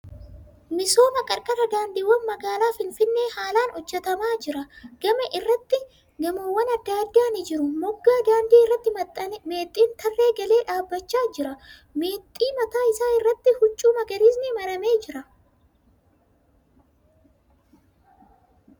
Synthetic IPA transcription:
mɪso̞ːmɐkʼɐɾkʼɐɾɐd̪aːnd̪iːwɐnmɐɡaːlaːfɪnfɪnːe̞ːhaːlaːnɔd͡ʒːɛt̪ɐmaːd͡ʒɪɾɐɡ̥ɐmɐʔɪrːɐt̪ːɪ | ɡɐmowːɐnɐd̪ːaːd̪ːaːnɪd͡ʒɪɾʊmɔɡːaːd̪aːnd̪iːɪrːɐt̪ːɪme̞ːt̪ʼːiːnt̪ʰɐrːe̞ːɡɐle̞ːᶑaːbːɐt͡ʃːaːd͡ʒɪɾɐ | meːt̪ʼːiːmɐt̪aːɪsaːɪrːɐt̪ːɪhʊt͡ʃʼːuːmɐɡɐɾiːsnɪmɐɾɐme̞ːd͡ʒɪɾɐ

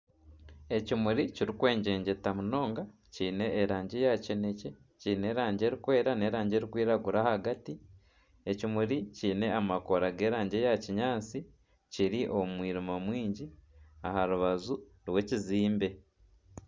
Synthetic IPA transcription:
e̞cimuɾiciɾikwe̞ːɲɟe̞ːɲɟe̞tamuno̞ːŋɡa | ciːne̞ːɾaːɲɟejacene̞ce | ciːne̞ːɾaːɲɟe̞ɾikwe̞ːɾane̞ːɾaːɲɟe̞ɾikwiːɾaɡuɾahaɡati | e̞cimuɾiciːne̞amako̞ɾaɡe̞ːɾaːɲɟejaciɲaːt͡si | ciɾiʔo̞mwiːɾimamwiːɲɟiahaɾuβazu | ɾwe̞ciziːmbe̞

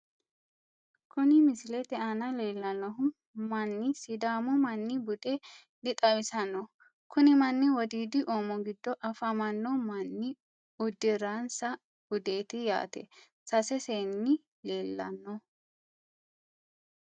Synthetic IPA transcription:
kʊnɪmɪsɪlɛt̪ɛanɐle̞ːlːɐnːɔɦʊ | mɐnːɪsɪd̪aːmɔmɐnːɪbʊd̪ʼɛ | dɪt̪ʼɐwɪsɐnːɔ | kʊnɪmɐnːɪwɔd̪iːd̪ɪʔoːmɔɡɪd̪ːɔʔɐfɐmɐnːɔmɐnːɪ | ʊd̪ːɪɾansɐ | b̥ʊd̪e̞ːt̪ɪja̰ːt̪ɛ̰ | sɐsɛseːnːɪ | leːlːɐ̰nːɔ

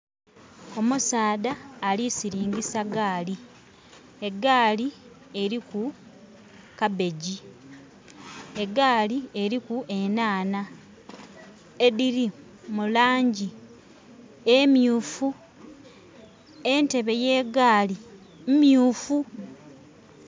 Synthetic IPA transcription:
o̞musaːdaːlisiɾiːŋɡisaɡaːli | e̞ɡaːli | e̞ɾiku | kabe̞ɟi | e̞ɡaːlie̞ɾikue̞naːna | ediɾi | mulaːɲɟi | emjuːfu | e̞nte̞βe̞je̞ːɡaːli | mmjuːfu

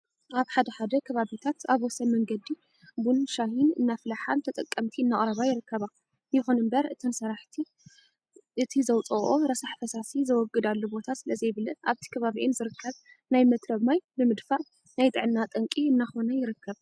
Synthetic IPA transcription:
ʔaβħad̪ɐħad̪ɐkʰɐβaβit̪ʰat̪aβwɔsɐmɐŋɡɐd̪i | bunʃahinɨnːafɨlaħant̪ʰɐt̪ʼɐkʼːɐmt̪ʰiɨnːaχʼɾɐβajɪɾɨkːɐβa | jɪxonɨmbɐɾɨt̪ʰɨnsɐɾaħt̪ʰi | ʔɨt̪ʰizɐwt͡sʼɐo̞ɾɐsaħfɐsasizɐwɔɡɨd̪alːobo̞t̪ʰasɨlɐzɐjβɨlɨʔaβt̪ʰi̥kʰɐβaβiʔɪnzɨɾɨkʰːɐβ | najmɐt̪ɾɐβmajbɨmɨd̪faʔ | najt̪ʼɨʕɨnːat̪ʼɐŋkʼiɨnːaxo̞nɐjɪɾɨkːɐβ

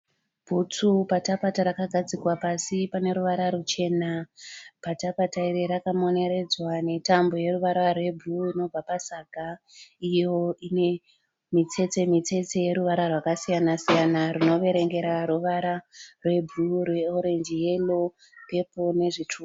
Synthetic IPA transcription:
b̥ʱut͡supatapataɾakaɡʱad͡zikwapasipane̞ɾuʋaɾaɾut͡ʃe̞ːnapatapataiɾiɾakamo̞ne̞ɾe̞d͡zwane̞tambo̞je̞ruʋaɾarwe̞bʱruino̞b͡vapasaɡʱa | ijo̞ine̞ | mit͡se̞t͡semit͡se̞t͡se̞je̞ɾuʋaɾarwakasijanasijanarino̞ʋe̞ɾe̞ŋɡe̞ɾaruʋaɾarwe̞bʱlurwe̞oɾe̞nd͡ʒije̞lo̞ | pe̞po̞ne̞ʐitʰuː

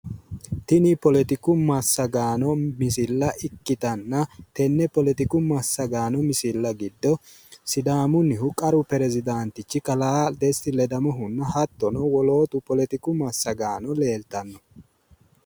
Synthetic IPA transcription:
t̪ɪnɪpɔlɛt̪ɪkʊmɐsːɐɡaːnɔmɪsɪlːɐʔɪkːɪt̪ɐnːɐt̪ɛnːɛpɔlɛt̪ɪkʊmɐsːɐɡaːnɔmɪsɪlːɐɡɪd̪ːɔ | sɪd̪aːmʊnːɪhʊkʼɐɾʊpɛɾɛzɪd̪aːnt̪ɪt͡ʃːɪkɐlaːd̪ɛst̪ɪlɛd̪ɐmɔɦʊnːɐɦɐt̪ːɔnɔwɔlo̞ːt̪ʊpɔlɛt̪ɪkʊmɐsːɐɡaːnɔle̞ːlt̪ɐnːɔ

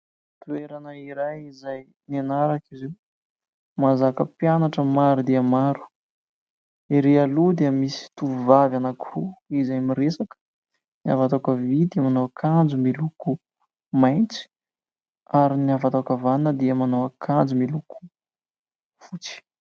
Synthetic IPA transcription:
t̪ueɾanəiɾajizaj | nanaɾakizew | mazakəpjanaʈ͡ʂəmaɾud̪eəmaɾu̥ | eɾealud̪eəmisi̥t̪uvavanakʰuizajmiɾesakə̥ | nia̰vat̪akəvid̪iəmanoakʰand͡zumiluku | majnt͡si̥ | aɾinavat̪akavanəd̪eəmanowakʰand͡zumiluku̥ | fut͡si̥

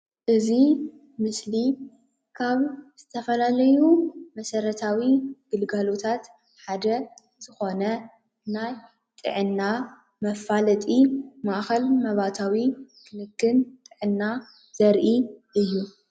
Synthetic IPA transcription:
ʔɨzi | mɨsli | kʰaβz̥ɨt̪ʰɐfɐlalɐjumɐsɐɾɐt̪ʰawiɡ̥ɨlɡalot̪ʰat̪ | ħad̪ɐ | z̥ɨxo̞nɐ | naj | t̪ʼɨ̰ʕɨnːa | mɐfalɐt̪ʼimaʔxɐlmɐβat̪ʰawikʰɨnɨkːɨnt̪ʼɨʕɨnːa | z̥ɐɾʔiʔɨjːu

